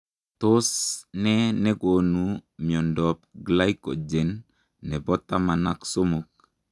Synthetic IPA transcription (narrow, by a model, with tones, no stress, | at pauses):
to˦snɛ˦nɛ˦ɡo˨nu˨mi˨ɔ˨ndɔ˨p̚ɡla˦ikɔ̰˨d͡ʒe˨nː | ɛ˨bɔ˦ta˦ma˨na˦kso˦mo˨k̚